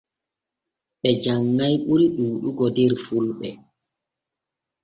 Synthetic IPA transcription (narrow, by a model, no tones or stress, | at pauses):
ɓɛd͡ʒaŋːajɓulɗuːɗuɡɔdɛɾfulɓɛ̰